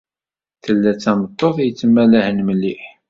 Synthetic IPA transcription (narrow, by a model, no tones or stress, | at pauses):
θəlːæt͡sːæmət̪ˤːoθˤjət͡sːəmːæləhənməlːiħ